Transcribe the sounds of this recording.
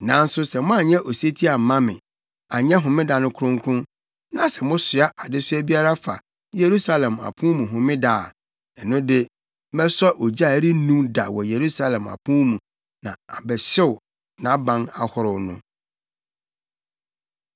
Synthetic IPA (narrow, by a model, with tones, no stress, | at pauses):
nã˨˦n̩˦sʊ˦sɛ˨mʊ̃˦a˨ɲɛ̃˦ʔo˨se˦tʰi˦a˨m̩˨mã˦mɪ̰̃˨ | a˨ɲɛ̃˦ɦʊ̃˨mɪ̃˦da˨nʊ̃˦kʰɾʊ̃˦ŋkʰʊ̃˦ | nã˨sɛ˨mʊ̃˦sɪ˨a˦ʔa˨dɪ˦sʊ˦æ˦bi˦a˦ɾa˦fa̰˨ | je˨ɾu˦sa˦lɛ̃˨ma̰˨pʰũ˦mũ˨ɦʊ̃˨mɪ̃˦daː˨ | ɛ˨nʊ̃˦dɪ˦ | mɛ˦sɔ˦ʔo˨d͡ʑi˦a˦˨˦ɾi˦nũ˦mda̰˨wɔ˨je˨ɾu˦sa˦lɛ̃˨ma̰˨pʰũ˦mũ˨ | nã˨a̰˨bɛ˨ɕɪ˦wʊ˨ | nã˨˦bã˦na˨hʊ˨ɾʊ˨nʊ̰̃˦